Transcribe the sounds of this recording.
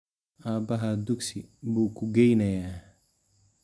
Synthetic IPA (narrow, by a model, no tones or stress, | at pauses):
abaɦaduksibukuɡejnaja